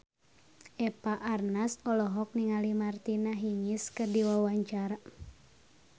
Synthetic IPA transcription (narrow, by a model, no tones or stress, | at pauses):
ʔɛpaʔarnasɔlɔɦɔk̚niŋalimart̪inaɦiŋiskɨrdiwawaɲt͡ʃaɾa